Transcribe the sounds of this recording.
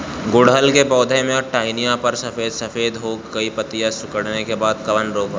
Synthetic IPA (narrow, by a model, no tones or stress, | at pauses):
ɡʊɽɦəlkebɔːd̪ʱemẽɔʈaːɪnijãpɐɾsɐfeːd̪sɐfeːd̪ɦoːɡkɐipɐt̪ijasʊkəɽnekebaːd̪̚kɐʋənɾoːkː